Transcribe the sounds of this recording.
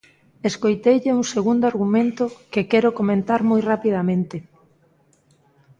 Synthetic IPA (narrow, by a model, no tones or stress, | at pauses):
eskojt̪ejʎeuŋseɣund̪oaɾɣumẽnt̪okekɛɾokomẽnt̪aɾmojrapið̞amẽnt̪ɪ